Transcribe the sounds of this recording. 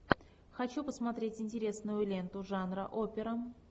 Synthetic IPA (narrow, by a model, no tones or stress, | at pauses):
xɐt͡ɕupəsmɐt̪ɾʲetʲɪnʲtʲɪɾʲe̞snʊjʊlʲe̞nt̪ʊʐanɾə̰ʔopʲɪɾə